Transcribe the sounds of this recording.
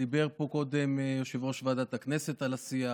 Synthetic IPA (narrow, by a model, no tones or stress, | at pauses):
ibeʁpo̞ko̞d̪emjoʃivʁo̞ʃvaːd̪at̪akneset̪alasia